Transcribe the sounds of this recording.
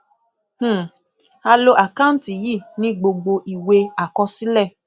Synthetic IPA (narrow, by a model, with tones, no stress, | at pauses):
h̩˦˨ | a˧lo˧ʔa˨ka˦n̩˦ti˨ji˦˨nĩ˨˦ɡ͡bo˧ɡ͡bo˧ʔi˨we˧a˨kɔ̃˧si˦lɛ˦˨